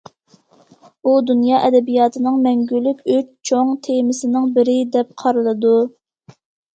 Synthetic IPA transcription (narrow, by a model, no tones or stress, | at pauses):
ud̪unjɑːʔɛd̪ɛbijɑːt̪ʰɨnɨŋmɛŋɡʲylːykʲʰyt͡ʃt͡ʃʰoŋt̪ʰemɪsɪnɪŋbɪɾɪd̪ɛp̚qʰɑɾɨlˠɨd̪u